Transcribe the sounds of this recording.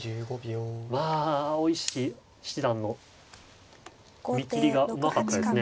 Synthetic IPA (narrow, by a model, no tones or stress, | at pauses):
ɨɡobʲomaːoiɕi | ɕid̪ãnːo̞ | mʲikʲiɾʲiɡaɯ̟makat̪ːad̪esɨɨne̞